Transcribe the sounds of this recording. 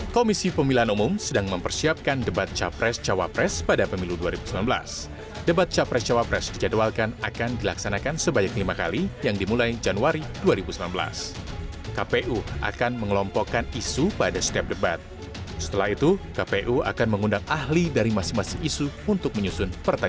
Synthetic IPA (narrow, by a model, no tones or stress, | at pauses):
komisipəmilaɦanumʊmsədaŋməmpərsiap̚kandəbat̪̚t͡ʃapɾɛst͡ʃawa̰pɾɛspadapəmiluduaɾibusəmlanbəla̰s | dəbat̪̚t͡ʃapɾɛst͡ʃawapɾɛsdid͡ʒadwalkanakandilaksanakansəbaɲaklimaka̰lijaŋdimulajd͡ʒanuaɾiduaɾibusəmlanbəla̰s | kapeʔua̰kanməŋəlɔmpɔkanisupadasə̥t̪iap̚dəbat̪̚ | sə̥t̪əlahit̪ukapeʔua̰kanməŋundaŋahlidaɾimasɪŋmasɪŋisuunt̪ʊk̚məɲusʊnpərt̪a